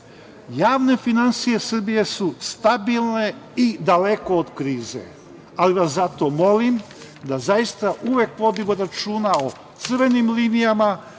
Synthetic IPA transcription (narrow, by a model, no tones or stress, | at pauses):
jaːʋne̞finansije̞sr̩bije̞sust̪abilˠne̞id̪ale̞ko̞ːd̪kɾiːze̞̰ | aliʋaszat̪o̞mo̞lim | d̪azajist̪aʔuʋek̚po̞d̪iʋuɾat͡ʃuːnao | t̪sɨrʋe̞nimliːnijama